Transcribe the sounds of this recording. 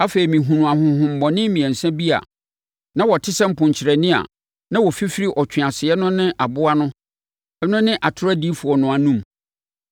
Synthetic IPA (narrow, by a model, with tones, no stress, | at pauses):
a˦fe˨ɾi˨mĩ˨ɦũ˨nũ˨a˨ɦʊ̃˨˦hʊ̃˨m̩˨bɔ̃˨nɪ̃˦mĩ˨ɛ̃˨n˨sɛ̃˦bi˦a̰˨ | nã˦wɔ˨tʰɪ˦sɛ̃˦m̩˦pʰʊ̃˨ɲ˨t͡ɕʰɪ˨ɾɛ˨nɪ̃˦a̰˨ | nã˦wɔ˨fi˦fɪ˦ɾi˦ʔɔ˨t͡ɕʰᶣɪ˨a˨sɪ˨ɛ˦nʊ̃˦nɪ̃˦ʔa˨bʊ˦a˦nʊ̃˦ | ɛ˦nʊ̃˦nɪ̃˦ʔa˨tʰʊ˦ɾa˦di˦fʊ˨ɔ˨nʊ̃˨a˨nũ˦m